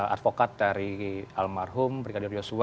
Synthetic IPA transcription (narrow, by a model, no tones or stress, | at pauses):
a̰t̪̚fokat̪̚daɾialmarɦʊmbɾiɡadʊrd͡ʒosu